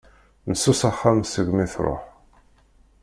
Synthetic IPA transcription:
nəsːusaχːamsəɡmiθɾˤo̰ħ

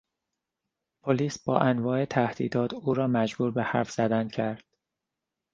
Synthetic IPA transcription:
pʰoliːsb̥ɒːʔænvɒːe̞t̪ʰæhd̪ḭːd̪ɒːt̪ʰuːɾɒːmæd͡ʒbuːɾbehæɾfz̥æd̪æncʰæɾd̪̥̚

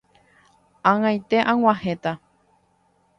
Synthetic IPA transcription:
ãŋãjt̪e̞ʔãŋ̃ʷãhẽt̪a

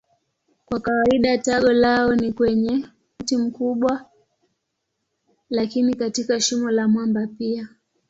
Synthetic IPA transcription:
kwakawaiɗataɠɔlaɔnikwɛɲɛ | tim̩kuɓwa | lakinikatikaʃimɔlamwambapia

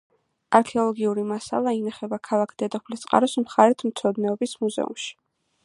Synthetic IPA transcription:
aɾkʰɛɔlˠɔɡiuɾimasa̰lˠainaχɛbakʰalˠakʰd̪̥ɛd̪ɔpʰlit̪sʼqʼa̰ɾɔsmχaɾɛt̪ʰmt̪sʰɔd̪nɛɔbismuzɛ̰ṵmʃi̥

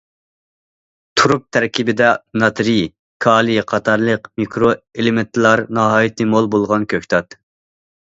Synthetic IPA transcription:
t̪ʰuɾup̚t̪ʰæɾkʲibɪd̪ɛnɑt̪ɾi | kʰɑːlˠiqʰɑt̪ʰɑɾlˠəqmikʰɾoelɪment̪ʰlˠɑɾnɑɦɑːjit̪ɨmolˠbolˠʁɑnkʲʰøkʲt̪ʰɑt̪

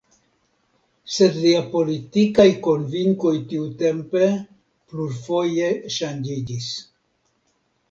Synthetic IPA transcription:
se̞dliapo̞litikajko̞nviŋko̞jtiute̞mpe̞ | pluɾfo̞je̞ʃand͡ʒid͡ʒis

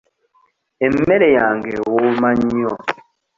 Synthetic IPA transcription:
em̩meɾejaːŋɡewomaɲiɔ

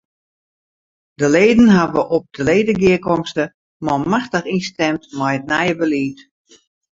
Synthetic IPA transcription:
dəleːdənɦaʋəʔɔp̚dəleːdəɡɪəkɔmstə | mɔmaxtəχistɛmtmajət̚nɛjəbəliːt

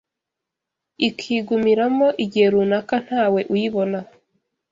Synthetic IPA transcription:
ikʰiːɡumiɾamo̞ʔiɟihe̞ɾunakan̥haːwe̞ʔujiβo̞na

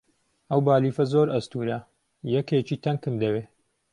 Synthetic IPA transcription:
ɐwbaːliːfɐzoɾɐst̪uːɾɐ | jɐkeːt͡ʃiːt̪ʰɐŋkɨmd̪ɐweː

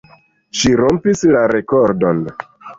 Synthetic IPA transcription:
ʃiɾo̞mpislaɾe̞koɾdon

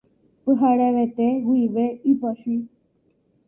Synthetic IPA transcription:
pɨɦaɾeʋet̪eɡuiʋeipaʃi

